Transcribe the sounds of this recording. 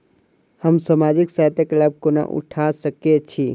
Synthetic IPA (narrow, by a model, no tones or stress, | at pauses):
həmsaːmaːd͡ʒɪksaɦt̪ekləb̚kona̰ʔʊ̰ʈʰasəket͡ʃʰi